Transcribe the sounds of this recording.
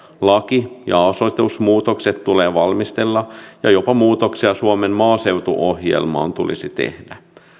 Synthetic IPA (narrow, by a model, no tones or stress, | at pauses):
lɑkijɑ̰ɑsot̪usmuːt̪okset̪tuleːʋɑlmist̪elːɑjɑjopɑmuːt̪oksiɑsuomemmɑːseuwt̪uʔohjḛlmɑ̰ːnt̪ulḭsit̪ḛhd̥æ